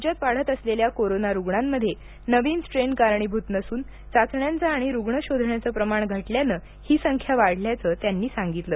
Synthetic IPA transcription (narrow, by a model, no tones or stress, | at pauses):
d͡ʑət̪ʋaɭ̤ət̪əsleljakoɾonaɾuɡɳamːəd̪ʱːje | nəʋiːnsʈɾenkaɾɳiːbʱut̪nəsuːn | t͡sat͡sɳjant͡səaɽ̃iɾuɡɳəɕod̪ʱɳjat͡səpɾəmaɳɡʱəʈljanəː | hiːsəŋkʰjaʋaɽ̤ljat͡sət̪janːiːsaŋɡit̪ləː